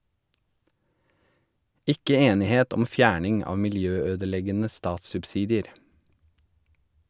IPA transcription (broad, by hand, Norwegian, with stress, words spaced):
ˈɪkə ˈeːnɪˌheːt ˈɔm ˈfjæːɳɪŋ ˈɑːʋ mɪlˈjøːˌøːdəˌlɛɡənə ˈstɑːtssʉpˌsiːdɪəɾ